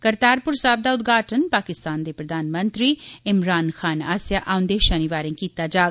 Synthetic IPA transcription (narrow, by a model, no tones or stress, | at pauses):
kɐɾt̪aːɾpʊɾsaːb̚d̪aːʊd̪ɡaːʈʰənpaːkɪst̪aːnd̪epɾɐd̪ʱaːnmə̃nt̪ɾiɪmɾaːnxaːnaːsjaʔaːʊnd̪eːʃaniʋaːɾẽːkiːt̪aːd͡ʒaː